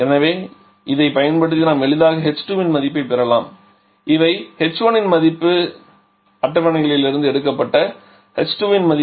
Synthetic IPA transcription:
ɛnɐʋeː | ʔɪðɐɪpɐjɐnpɐɽɯt̪ːinaːmɛɭɯðaːɣɐɦɛt͡ʃːʈuːʋɪnmɐðɪpːɐɪpːɛɾɐlaːm | ɪʋɐɪhɛt͡ʃːoːnɪnmɐðɪpːɯ | ɐʈːɐʋɐɳɐɪɣɐɭɪlɪɾɯnd̪ɯɛɽɯkːɐpːɐʈːɐ | hɛt͡ʃʈuːʋɪnmɐðɪ

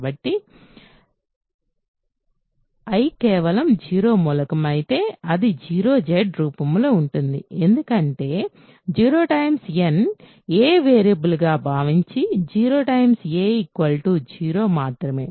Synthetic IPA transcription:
bɐʈːi | ɐjkɛːʋɐlɐmd͡ʒiːɾo̞ːmulɐkɐmɐjit̪e̞ːɐd̪id͡ʒiːɾo̞ːd͡ʒeɖɾuːpɐmlo̞ːuɳʈund̪ḭend̪ukɐɳʈe̞ː | d͡ʒiːɾo̞ːʈɐjmsen | eːʋeːɾɐbulɡaːbʱaːʋiɲt͡ʃid͡ʒiːɾoːʈɐjmseːikʋɐlʈuːd͡ʒiːɾo̞ːmaːt̪ɾɐme̞̰ː

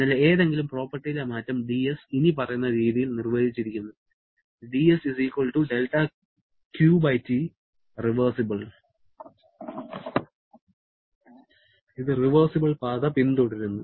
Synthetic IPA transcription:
nɐleeːðe̞ŋɡilumpro̞ːpːɐrʈːijilemaːtːɐmɖiesinipɐrɐjunːɐɾiːðijilnirʋɐdit͡ɕːiɾikʲːunːu | ɖiesisiːkwɐɭʈuɖelʈɐ | kjuːbɐjti | riʋɐrsibɐɭ | iðɨriʋɐrsibɐɭpaːðɐpint̪oːɽiɾunːu

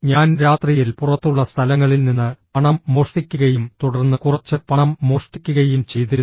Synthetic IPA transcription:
ɲaːnɾaːt̪rijilpurɐt̪ːuɭːɐst̪ʰɐlɐŋːɐɭilninːɨpɐɳɐmːo̞ːʂʈikʲːuɣɐjumt̪uɽɐrnːɨkurɐt͡ɕːɨpɐɳɐmːo̞ːʂʈikʲːuɣɐjumt͡ɕe̞jt̪iɾu

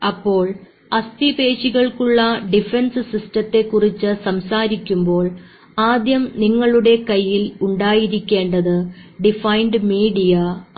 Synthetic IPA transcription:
ɐpːo̞ːɭ | ɐst̪ipe̞ːɕiɣɐɭkuɭːɐɖifensɨsistɐt̪ːe̞kːurit͡ɕːɨsɐmsaːɾikʲːumbo̞ːɭ | aːd̪jɐmniŋːɐɭuɽe̞kɐjːiluɳɖaːjiɾikʲːe̞ːɳɖɐðɨɖifɐjɳɖɨmiːɖijɐ

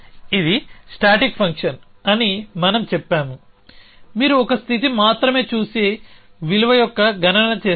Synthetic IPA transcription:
id̪isʈaːʈikpʰɐŋkʂɐn | ɐnimɐnɐmt͡ʃɛpːaːmu | miːɾuɔkɐst̪ʰit̪imaːt̪ɾɐme̞ːt͡ʃuːse | ʋiluʋɐjɔkːɐɡɐnɐnɐt͡ʃeː

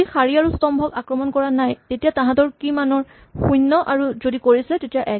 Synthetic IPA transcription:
ixaɹiaɹustɔmbʱɔkakɹɔmɔnkɔɹanajtetijatãɦãtɔɹkimanɔɹ | xujnːɔʔaɹuzodikoɹisɛtetijaʔɛ

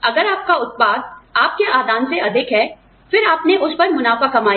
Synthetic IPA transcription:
ɐɡəɾaːp̚kaʊt̪̚paːd̪̚aːp̚keʔaːd̪ʱaːnseɐd̪ʱɪkɦɛː | fɪɾaːpneʔʊspɐɾmʊnaːfakɐmaːj

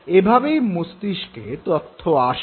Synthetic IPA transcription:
ebʱabejmust̪iʃket̪ot̪ʰːoaʃ

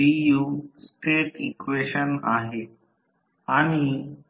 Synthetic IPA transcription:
ijusʈeːʈikʋeːʃəna̰ːɦe | aːɽ̃i

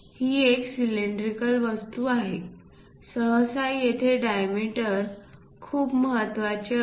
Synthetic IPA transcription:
hiːeksileɳɖɾikəlʋəst̪uːaɦe | səɦəsajjet̪ʰeɖajmiʈəɾ | kʰuːpməɦət̪ʋat͡ɕe

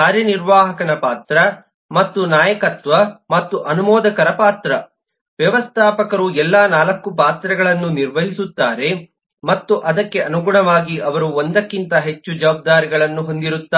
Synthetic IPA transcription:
kaːɾjɐniɾʋaːɦɐkɐnɐpaːt̪ɾɐ | mɐt̪ːunaːjɐkɐt̪ʋɐmɐt̪ːuʔɐnumɔːd̪ɐkɐɾɐpaːt̪ɾɐ | ʋjɐʋɐst̪ʰaːpɐkɐɾuɛlːaːnaːlɐkːupaːt̪ɾɐɡɐɭɐnːuniɾʋɐɦisut̪ːaːɾe̞ | mɐt̪ːuʔɐd̪ɐkːe̞ɐnuɡuɳɐʋaːɡiʔɐʋɐɾuond̪ɐkːint̪ɐɦe̞t͡ʃːud͡ʒɐʋaːb̚d̪aːɾiɡɐɭɐnːuɦo̞nd̪iɾut̪ːaː

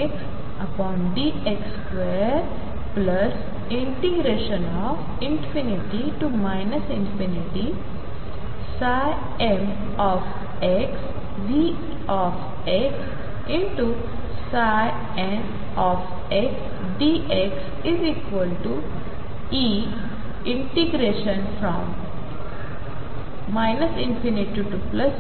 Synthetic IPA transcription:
eks | ɐpɔ̃ːnɳɖiʔeks | ʋeɾ | plɐs | ɪ̃ɳʈiɡɾeːʃə̃nɔːf | ɪ̃nfiniʈiʈumaɪnɐsɪ̃nfiniʈi | sa | em | ɔf | eks | ʋi | ɔːf | eks | ɪ̃ɳʈu | saj | ɛ̃n | ɔf | eks | ɖiʔeks | ɪziːkʋəlʈu | iː | ɪ̃ɳʈiɡɾeːʃə̃nfɾɔ̃m | aɪnəsɪ̃nfɪniʈiʈuplɐs

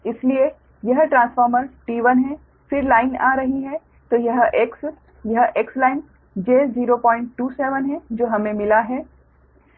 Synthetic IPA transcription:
ɪslie | jɐɦʈɾãːnsfɔːɾməɾʈiːʋənɦɛ | fɪɾlaːɪna̰ːɾɐɦiɦɛ | t̪oːjɐɦʔeks | jɐɦʔekslaːɪn | d͡ʒeːziːɾopɔ̃ːɪ̃ɳʈːuːsɛːʋənɦɛ̃d͡ʒoːɦɐmẽmɪlaɦɛː

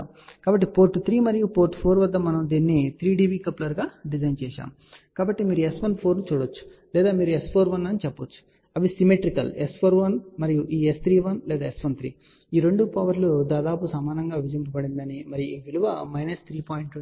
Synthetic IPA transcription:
kaːbɐʈːipoːɾʈːut̪ʰɾiːmɐɾijupoːɾʈpʰoːɾʋɐd̪ːɐmɐnɐmd̪iːnːit̪ʰɾiːɖiːbiːkɐplɐɾɡaːɖid͡ʒɐjnt͡ʃɛːʃa̰ːm | kaːbɐʈːimiːɾuesʋɐnpʰo̞ːɾnut͡ʃuːɽot͡ʃːu̥lɛːd̪aːmiːɾuespʰoːɾʋɐnːɐnit͡ʃɛpːɐt͡ʃːu̥ | ɐʋisimeʈɾikɐ̰lespʰoːɾʋɐnmɐɾijuʔiːest̪ʰɾiːʋɐnlɛːd̪aːesʋɐnt̪ʰɾḭː | iːɾe̞ɳɖupɐʋɐɾlud̪aːd̪aːpusɐmaːnɐŋɡaːʋid͡ʒimpɐbɐɽind̪ɐnimɐɾijuiːʋiluʋɐmɐjnɐst̪ʰɾiːpaːjiɳʈ

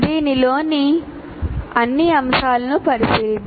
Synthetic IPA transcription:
d̪iːnilo̞ːni | ɐnːiɐmsaːlɐnupɐɾisilid̪

